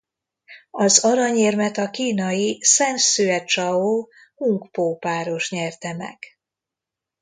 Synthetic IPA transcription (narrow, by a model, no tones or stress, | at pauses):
ɒzɒɾɒɲeːrmɛt̪ɒkiːnɒjisɛnsyɛt͡ʃɒoː | muŋkpoːpaːɾo̞ʃɲɛrt̪ɛmɛ̰ɡ̥